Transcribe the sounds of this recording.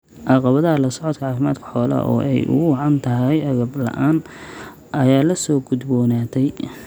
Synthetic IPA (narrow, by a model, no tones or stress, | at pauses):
ʕɑqɑβɐðɐɦɐlɐsɔʕɔt̪kʰɐʕɑːfɪma̰ːd̪kʰɐ̥ħɔːlɐ̰ʔɔ̰ːʔɛ̰jʔʊ̰ɣʊwɑʕɑnt̪ʰɐɦɛjɐɣɐblɐ̰ʔaːn | ʔɐjaːlɐsɔːɡʊd̪bɔːnaːt̪ʰɛj